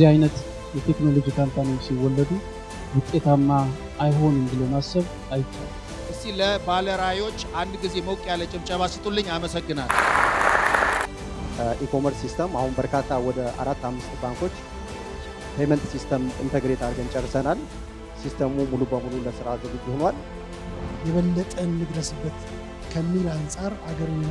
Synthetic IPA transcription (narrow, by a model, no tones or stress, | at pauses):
zihajnət̪ | jɛt̪ʰe̞kno̞lo̞d͡ʒikʰamt̪ʰanojsiwːɔlːəd̪u | wʊt̪ʼːe̞t̪ʰamːaː | jɦo̞nɨmbɨləwmasːəβ | ajɪt͡ʃːa̰l | ʔɨsiləbaləɾajo̞t͡ʃːand̪ɡize̞məwkʼjalːət͡ʃʼɪmt͡ʃʼəβasɨt̪ʼolːɨɲːaməsəɡːɨnalː | ikʰo̞məɾssist̪ʰəmahunbəɾkʰat̪ʰːawɔd̪əa̰ɾat̪ːamːɨst̪baŋko̞t͡ʃː | pʰemənt̪sist̪ʰəmɨ̰nt̪ʰəɡɾet̪aɾɡənt͡ʃʼərːsənal | sist̪ʰəmumulubəmululəsɨɾazɨɡɨtjɪhonwal | jɛβəlːət̪ʼəmːɨd̪ɾəsɨbːət̪ | kʰəmːilansʼaɾaɡəɾ